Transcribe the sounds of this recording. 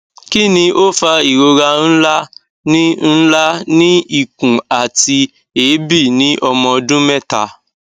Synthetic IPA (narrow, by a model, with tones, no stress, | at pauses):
ki˦nĩ˧ʔo˦fa˧i˨ɾo˧ɾa˧n̩˦la˦ | nĩ˦n̩˦la˦nĩ˦i˦˨kũ˨a˨ti˧ | eː˨˦bi˦˨nĩ˨˦ʔɔ˧mɔ̃˧dũ˦mɛ˦˨ta̰˧